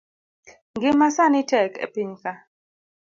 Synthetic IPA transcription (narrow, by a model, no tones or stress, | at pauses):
ŋɡɪmasanɪtɛkʰḛpiɲka